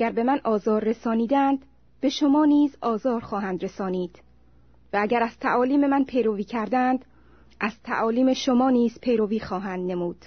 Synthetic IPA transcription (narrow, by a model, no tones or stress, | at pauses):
æɡæɾbe̞mænʔɒːzɒːɾːe̞sɒːniːd̪ænd̪ | b̥e̞ʃo̞mɒːniːzɒːzɒːɾxɒːɦænd̪ɾe̞sɒːniːd̪̥ | vææɟæɾæz̥t̪ʰæʔɒːliːme̞mænpʰe̞jɾoviːcʰæɾd̪ænd̪ | ʔæz̥t̪ʰæ̰ʔɒːliːme̞ʃomɒːniːz̥pʰe̞jɾoviːxɒːɦænd̪ne̞muːd̪̥